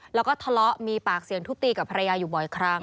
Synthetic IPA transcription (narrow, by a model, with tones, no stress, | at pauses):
lɛː˦˥wkɔː˥˩t̪ʰa˧lɔ˦˥ʔmiː˧paː˨˩k̚si˩əŋt̪ʰu˦˥p̚t̪iː˧ka˨˩pʰa˧ɾa˧jaː˧juː˨˩bɔː˨˩jkʰɾa˦˥ŋ